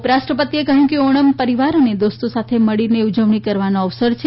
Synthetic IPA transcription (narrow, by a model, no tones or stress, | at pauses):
pɾaʃʈɾəpət̪iekəɦjũkeoɳ̃əmpəɾiʋaɾəned̪ost̪osat̪ʰeməɭineud͡ʒəʋɳikəɾʋanoəʋsəɾt͡ʃʰe